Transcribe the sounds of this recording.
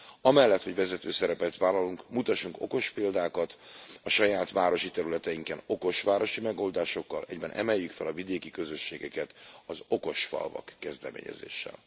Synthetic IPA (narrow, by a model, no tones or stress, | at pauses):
ɒmɛlːɛt̪ho̞ɟvɛzɛt̪øːsɛɾɛpɛt̪ʋaːlɒluŋkmut̪ɒʃːuŋko̞̰ko̞ʃpeːld̪aːkɒt̪ɒʃɒjaːt̪ʋaːɾo̞ʃit̪ɛɾylɛt̪ɛjiŋkɛno̞ko̞ʃʋaːɾo̞ʃimɛɡo̞ld̪aːʃo̞kːɒlʔɛɟbɛnʔɛ̰mɛjːykfɛlɒvid̪eːkikø̞zø̞ʃːeːɡɛkɛt̪ɒzo̞ko̞ʃfɒ̰lvɒ̰kːɛzd̪ɛmḛːɲɛ̰zḛːʃːɛ̰l